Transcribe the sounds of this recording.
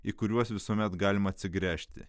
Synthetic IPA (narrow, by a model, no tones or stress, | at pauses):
iːkʊɾʲuɔsʋʲɪsuɔmʲɛt̪ɡɑːlʲɪmɐt̪ʲsʲɪɡɾʲæːʃʲt̪ʲɪ̰